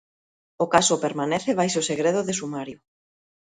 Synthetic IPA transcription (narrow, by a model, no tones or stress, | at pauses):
okasopeɾmaneθeβ̞ajsoseɣɾeð̞ʊðesumaɾjo